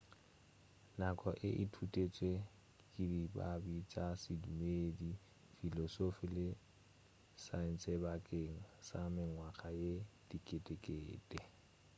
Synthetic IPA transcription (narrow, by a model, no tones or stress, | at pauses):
nakʼɔʔɪʔɪtʰutʼet͡sʼwe | kʼɪdiba̰bit͡ʃʼasidumeːdi | filɔsofilɪ | saɛn̩sɛbakʼeŋ̩samɪŋwaχajed̥ikʼetʼekʼeːtʼɛ